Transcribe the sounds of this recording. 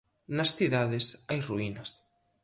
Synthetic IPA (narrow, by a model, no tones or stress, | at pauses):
nɐsθiðaðɪsajruinɐs